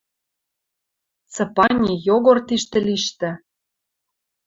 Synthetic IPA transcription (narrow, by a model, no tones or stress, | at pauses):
t͡sɤ̆pɑnʲijoɣort̪iʃt̪ɘ̆liʃt̪ɘ̆